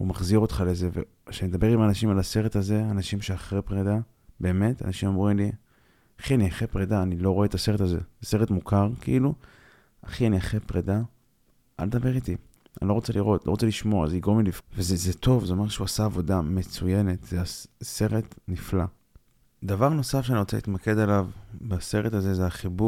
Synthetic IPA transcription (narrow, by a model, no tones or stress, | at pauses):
umaχziʁo̞t̪χale̞zevḛ | ʃenimed̪abe̞ʁimanaʃimalase̞ʁe̞taze̞anaʃimʃeaχʁepʁeda | be̞ːme̞ta̰naʃimomʁimli | aχianiaχepʁedaːnilo̞ʁo̞et̪ase̞ʁe̞tazḛzese̞ʁetmukʰaʁkeʔilu | aχianiaχepʁeda | ʔa̰ld̪aveʁit̪i | anilo̞ʁo̞t͡seliʁo̞tlo̞ʁt͡seliʃmoaa̰ziɡʁomilifvezezet̪o̞vzeo̞me̞ʃeuasaːvo̞dame̞t͡suje̞ne̞tzease̞ʁetnifla | d̪avaʁno̞safʃeaniʁot͡seḭtmake̞dalavbase̞ʁethazezeaχibu